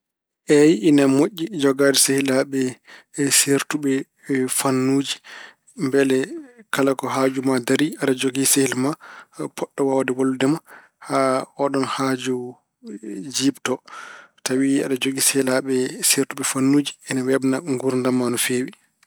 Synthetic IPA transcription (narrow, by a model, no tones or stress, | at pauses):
ʔɛjiːnamoʔʲːid͡ʒɔɡadɛsehilaɓɛseɾtuɓɛ | fanːuːd͡ʒi | mbɛlɛkʰalakɔɦaːd͡ʒumadaɾiaɗad͡ʒoɡisehilmapʰɔɗːɔwawadɛwolːudɛma | haɔɗɔnhad͡ʒu | d͡ʒiːbtɔtawia̰ɗad͡ʒoɡisehilaɓɛseɾtuɓɛfanːuːd͡ʒiɛnawɛbnaŋɡuɾndamːanɔfewi